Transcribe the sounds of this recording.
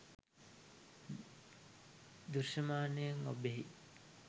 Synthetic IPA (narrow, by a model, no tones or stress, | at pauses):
d̪uɾʃɐmaːnejeŋobeɦi